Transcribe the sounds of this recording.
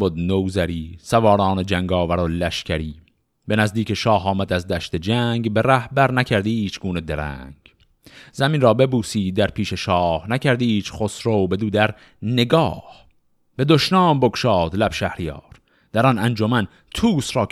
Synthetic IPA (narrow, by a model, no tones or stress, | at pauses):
bod̪nowzæɾiːsævɒːɾɑːned͡ʒæŋɡɒːvæɾolæʃcʰæɾiː | be̞næzd̪iːcʰeʃɒːɦɒːmæd̪æzd̪æʃt̪ed͡ʒæːŋɡbe̞ɾæhbæɾnækʰæɾd̪iːt͡ʃɡ̥uːned̪eɾæ̰ŋɡ̥ | z̥æminrɒːbe̞buːsiːd̪æɾpʰiːʃe̞ʃɒːhnækʰæɾd̪iːt͡ʃʰχosɾowbe̞d̪uːd̪æɾ | ne̞ɡɒːh | b̥e̞d̪oʃnɑːmbokʃɒːd̪læb̥ʃæhɾijɑ̰ːɾ | d̪̥æɾɒnænd͡ʒomæn | t̪ʰuːsɾɒː